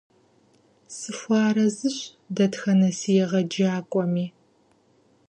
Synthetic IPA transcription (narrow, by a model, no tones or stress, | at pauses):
sɨfʷɑːɾɐzɨɕ | dɐtxɐnɐsijɛʁɐd͡ʒaːkʷʼɔmiː